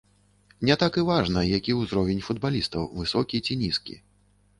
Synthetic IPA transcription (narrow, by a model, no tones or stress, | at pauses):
nʲɛt̪akɨvaʐnɐjakʲiwzɾɔvʲɛnʲfud̪̚balʲist̪ɐwvɨsɔkʲit͡sʲinʲiskʲḭ